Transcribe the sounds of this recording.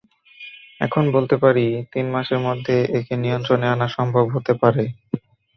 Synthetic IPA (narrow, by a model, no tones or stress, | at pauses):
ɛ̰kʰonbolt̪epaɾit̪inmaʃeɾmod̪ʱːeʔekenijont̪ɾoneanaʃɔmbʱobɦot̪epaɾe